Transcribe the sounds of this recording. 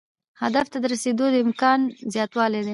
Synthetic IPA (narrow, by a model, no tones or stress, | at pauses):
had̪aft̪ad̪əɾased̪od̪əɪmkɑnzjɑt̪wɑled̪e